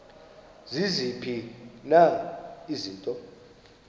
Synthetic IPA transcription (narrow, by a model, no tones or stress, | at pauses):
zizipʰinaiziːntʼɔ